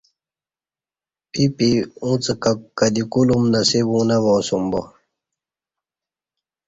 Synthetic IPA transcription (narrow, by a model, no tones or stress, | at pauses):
pipiũt͡sɨkakkːadikulumnasiβũnaβɔ̃sumbɔ